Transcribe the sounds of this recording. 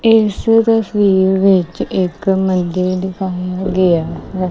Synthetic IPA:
ɪsɾəsiːɾʋɪt͡ʃɪkmənd̪eɖɪkʰaːjaːɡeaːɦɛː

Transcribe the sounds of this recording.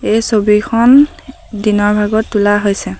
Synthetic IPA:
ejsobikʰɔn | dinɔɹbʱaɡɔtːulaɦojsɛ

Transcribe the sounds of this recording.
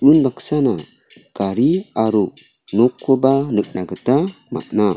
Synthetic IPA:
unbaksana | kaɾiaɾu | nokʰːobanək̚naɡətama̰ʔna

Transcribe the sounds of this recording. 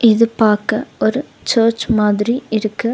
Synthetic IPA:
ʔɪðɯpaːɾkɐɔɾɯ | t͡ʃɐːɾt͡ʃmaːðɪɾiɪɾɯkːɯ

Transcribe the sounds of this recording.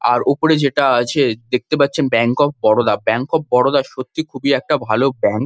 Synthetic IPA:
a̰ɾopoɾed͡ʑeʈaat͡ɕʰed̪ek̚t̪epat̪ːɕʰenbɛŋkɔp̚bɔɽod̪abɛŋkɔp̚bɔɽod̪aʃot̪ːikʰubiɛk̚ʈabʱalobɛŋk

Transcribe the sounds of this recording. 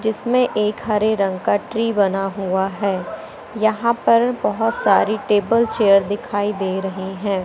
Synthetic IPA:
d͡ʒɪsmẽʔeːkɦɐɾeɾɐ̃ŋɡkaʈɾiːbɐnaɦuaɦɛː | jɐɦãpɐɾbɐɦʊt̪saːɾiʈeːbəlt͡ʃeːjəɾd̪ɪkʰaːid̪eːɾɐɦiɦɛ̃ː

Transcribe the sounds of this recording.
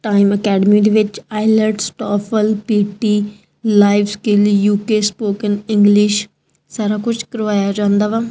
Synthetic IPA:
ʈaːɪməkɛːɖəmiːd̪eːʋɪt͡ʃaːɪləɖsʈɔːfʰəlpiːʈiː | laːɪʋskɪljuːkeːspoːkənɪ̃ŋɡlɪʃ | saːɾaːkʊd͡ʒʰkəɾʋaːjaːd͡ʒãːnd̪aːʋaː

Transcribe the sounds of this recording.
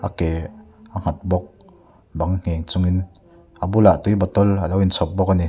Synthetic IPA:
ʔakɛːʔaŋ̥at̪̚bɔk̚ | baŋŋ̥ɛːŋt͡sʊŋin | ʔabulaʔt̪ujbɔt̪ɔlalowint͡sʰɔp̚bɔk̚ani

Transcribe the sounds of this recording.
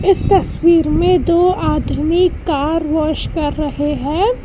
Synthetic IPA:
ɪst̪ɐswiːɾmẽd̪oːʔaːd̪ʱmikːaːɾʋɔːʃkɐɾːɐɦeɦɛ̃ː

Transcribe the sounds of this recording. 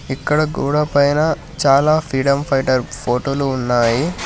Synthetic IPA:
ikːɐɽɐɡṵːɽɐpɐjnɐ | t͡ʃaːlaːpʰɾiːɽɐmpʰɐjʈɐɾpʰoːʈoːluːnːaːji

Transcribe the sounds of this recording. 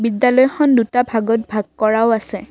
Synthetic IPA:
bidjalɔjxɔndutabʱaɡɔt̚bʱaɡ̚kɔɹaʊasɛ

